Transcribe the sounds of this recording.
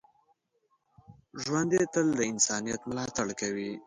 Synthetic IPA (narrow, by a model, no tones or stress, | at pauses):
ʒwand̪et̪əld̪əɪnsɑnijat̪mlɑt̪aɽkawi